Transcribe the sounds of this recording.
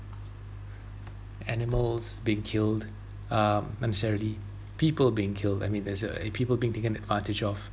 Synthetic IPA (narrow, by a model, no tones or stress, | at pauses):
ɛnɪməlˠzbiɪ̃ŋkʰɪld | ʌmnɛnɛsɛɹəli | piːpəlbiɪ̃ŋkʰɪlda̰ɪmĩndɛzəpʰiːpəlˠbiːɪ̃ŋtʰekə̃nɛdvãntɪd͡ʒɔf